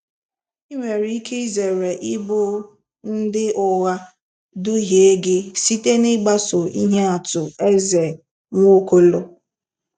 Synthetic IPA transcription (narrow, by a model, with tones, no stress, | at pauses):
i˦ŋʷe˨ɾi˦i˦kʰe˦i˦ze˨ɾe˨ʔɪ˦bʊ˦ | n̩˦dɪ˦ʔʊ˨ɣa˦ | dʊ˦ɦe˨˦ɡɪ˦si˦te˦nɪ˦ɡ͡ba˦sʊ˨i˦ɦe˦a˨tʊ˨e˦ze˨ | ŋʷo˦ko˦lo˦